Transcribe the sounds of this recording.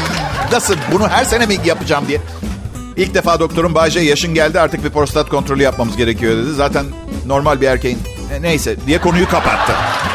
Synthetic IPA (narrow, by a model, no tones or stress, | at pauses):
nasɯbunuɦæɾse̞nemijɟʲijapɯd͡ʒaːmb̪i | ilʲc̚d̪e̞faːd̪o̞k̚t̪ʰo̞ɾumbaːd͡ʒejaʃɯnɟælʲd̪iaɾt̪ɯk̚bipɾo̞st̪at̪̚kʰo̞nt̪ɾo̞lʲjap̚mamɯzɟe̞ɾe̞cʰijo̞d̪e̞d̪izaːt̪ʰænː | o̞ɾmalʲbiæɾce̞jin | ne̞jsɛd̪ijɛkʰo̞nujukapat̪ʰːɯ